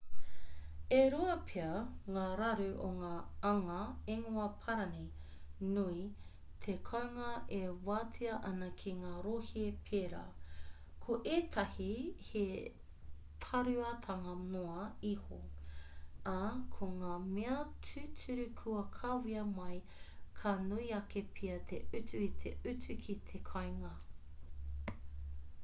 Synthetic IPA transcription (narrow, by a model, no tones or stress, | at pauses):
eɾoɐpʰeɐŋaːɾɐɾʉʔoŋaːɐŋɐeŋuɐpʰɐɾɐninui | t̪ʰekʰɐwŋɐʔewaːtʰiɐʔɐnɐkʰiŋaːɾohiepʰeɾa̰ː | kʰoʔeːt̪ʰɐhihe | tʰɐɾʉɐtʰɐŋɐnoɐiho̰ | akʰoŋaːmeɐtʰʉt͡sʰʉɾʉkʰuɐkʰawiɐmɐj | kʰanuiɐkepʰiɐt̪ʰeʉtʉit̪ʰeʉtʉkʰit̪ʰekʰɐjŋɐ